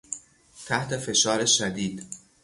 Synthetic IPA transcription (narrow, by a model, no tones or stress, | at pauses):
t̪ʰæht̪ʰe̞fe̞ʃɒːɾeʃæd̪iːd̪